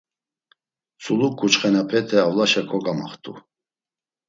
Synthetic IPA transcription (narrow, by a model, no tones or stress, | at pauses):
t͡sʰʼuluk̚ːut͡ʃχɛnapʰɛt̪ʰɛavlaʃɛkʰɔɡama̰χt̪ʼṵ